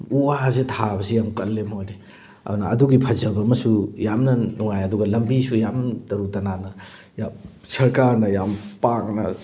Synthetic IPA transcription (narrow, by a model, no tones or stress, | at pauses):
uwazetʰabɐsijamkɐlːemojde | ɐ̰dunɐɐduɡipʰɐzɐbɐmɐsujamnɐnuŋajɐduɡɐlɐmbisujamtɐɾutɐnanɐ | jam | sɐɾkaɾnɐjampak̚nɐ